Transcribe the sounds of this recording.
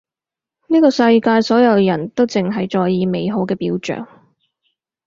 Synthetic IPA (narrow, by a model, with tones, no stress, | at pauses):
niː˥kɔː˧sɐ˧jkaː˧jsɔː˨˥jɐ˨˧wjɐ˨˩nt̪o˥wt͡sɪ˨ŋɦɐ˨jt͡sɔː˧jjiː˨˧me˨˧jɦo˨˥wkɛː˧piː˨˥wt͡ʃœ̰ː˨ŋ